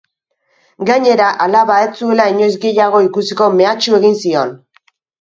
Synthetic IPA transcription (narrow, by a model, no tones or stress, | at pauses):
ɡaɲe̞ɾaʔalaβae̞t͡sue̞laiɲo̞jzɡe̞jaɣ̞o̞ikusiko̞me̞at͡ʃue̞ɣ̞insio̞n